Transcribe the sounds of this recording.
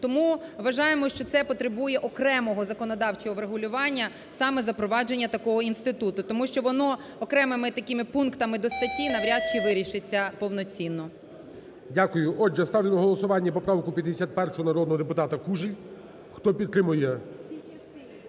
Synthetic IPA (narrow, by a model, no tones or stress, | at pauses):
t̪ɔmuʋɐʒɑjemɔʃt͡ʃɔt̪sɛpɔt̪ɾebujɛʔɔkɾɛmɔɦɔzɐkɔnɔd̪ɑwt͡ʃɔɦɔʋɾeɦʊlʲʊʋɑnʲːɐ | sɑmɛzɐpɾɔʋɑd͡ʒe̞nʲːɐt̪ɐkɔɦɔinst̪ɪt̪ut̪ʊt̪ɔmuʃt͡ʃɔʋɔnɔ | ɔkɾɛmɪmɪt̪ɐkɪmɪpunkt̪ɐmɪd̪ɔst̪ɐtʲinɐʋɾʲad̪̚t͡ʃiʋɪɾʲiʃɪt͡sʲːɐpɔʋnɔt͡sʲinːɔ | dʲakʊjʊʔɔd͡ʒːɛst̪ɑʋlʲenɔɦɔlˠɔsʊʋɑnʲːɐpɔpɾɑʋkʊpʲjɐd̪ʲesʲat̪̚pɛrʃʊɦɔnɐɾɔd̪nɔɦɔd̪epʊt̪ɑt̪ɐkuʒɪjʲ | xt̪ɔpʲid̪̚t̪ɾɪmʊjɛ